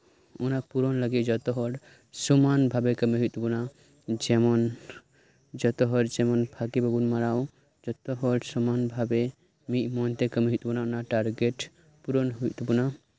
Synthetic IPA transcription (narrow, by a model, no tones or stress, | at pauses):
onapuɾɔnləɡed͡ʒɔt̪ɔɦɔɽ | sumanbʱabekəmiɦut̪buna | d͡ʒemɔn | d͡ʒɔt̪ɔɦɔɾd͡ʒemɔnpʰakibəbunmaɾao | d͡ʒɔt̪oɦɔɽsɔmanbʱabe | mimɔnt̪ekəmiɦut̪bunaonaʈaɾɡeʈ | puɾonɦuit̪buna